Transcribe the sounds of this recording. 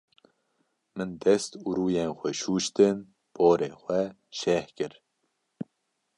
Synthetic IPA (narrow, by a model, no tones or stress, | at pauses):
mɨnd̪ɛst̪uɾuːjeːnxʷɛʃuːʃt̪ɨn | b̥oːɾeːxʷɛ | ʃɛhkɨɾ